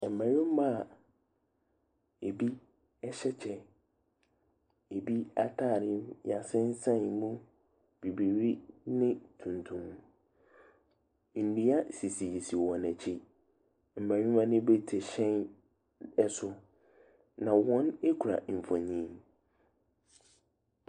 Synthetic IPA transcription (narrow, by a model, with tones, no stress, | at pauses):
m̩˨mã˨ɲɪ̃˦m˦ma˦˨ | e˨bi˦ | ɛ˦ɕɛ˦t͡ɕʰɛ˦ | e˨bi˦a˦tʰa˦˨ɾɪ˦mja˨sɪ̃˦n˦sã˦˨nmũ˦ | b̥i˨bi˨ɾi˦nɪ̃˦tʰũ˨ntʰũ˦m | n̩˨nũ˨˦a˦si˨si˨ji˨si˨wɔ̃˨næ˨t͡ɕʰi˦ | m̩˨bã˨ɲʊ̃˦mã˦nɪ̃˦bɛ˦tʰɛ˨ɕɛ̃˦n | ɛ˦sʊ˦ | nã˨wɔ̃˦ne˦kʰu˨ɾa̰˨m̩˨fã˨ɲĩː˦m